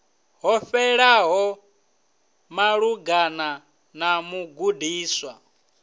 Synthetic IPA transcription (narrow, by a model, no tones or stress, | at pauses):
ɦɔɸɛɺaɦɔ | maɺuɡana | namuɡudiːswa